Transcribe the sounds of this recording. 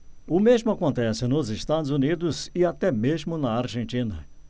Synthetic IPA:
ʊmezmʊakõnt̪ɛsɪnʊzɪst̪ad̪ʊzunid̪ʊzɪat̪ɛmezmʊnɐaɾʒẽnt͡ʃ̪ĩnɐ̰

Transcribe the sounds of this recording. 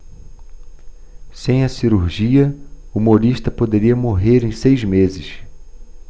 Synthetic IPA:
sẽj̃ɐsiɾuɾʒiɐuumoɾiʃt̪ɐpod̪eɾiɐmoɦeɾẽj̃sejzmezɪs

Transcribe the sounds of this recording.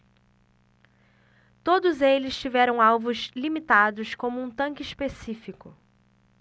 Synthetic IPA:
t̪od̪ʊzelɪst͡ʃivɛɾɐ̃w̃awvʊzlimit̪ad̪ʊskõmʊũt̪ɐ̃ŋkɪispesifikʊ

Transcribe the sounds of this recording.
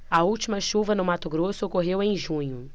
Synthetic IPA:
ɐuwt͡ʃimɐʃuvɐnʊmat̪ʊɡɾosʊokoɦewẽj̃ʒũɲʊ

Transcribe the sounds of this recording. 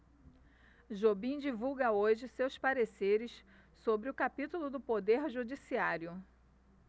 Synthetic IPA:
ʒobĩd͡ʒivuwɡɐoʒɪsewspaɾeseɾɪs | sobɾɪʊkapit̪ulʊd̪ʊpod̪eɾʒud͡ʒisiaɾjʊ

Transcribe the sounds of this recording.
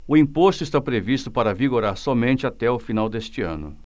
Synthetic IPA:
ʊĩpost̪ʊɪst̪apɾevist̪ʊpaɾɐviɡoɾaɾsɔmẽnt͡ʃɪat̪ɛʊfinawd̪est͡ʃɪɐ̰̃nʊ̰

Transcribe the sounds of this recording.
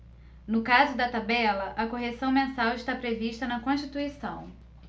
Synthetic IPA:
nʊkazʊd̪ɐt̪abɛlɐʔɐkoɦesɐ̃w̃mẽsawɪʃt̪apɾeviʃt̪ɐnɐkõʃt͡ʃit̪uisɐ̃w̃

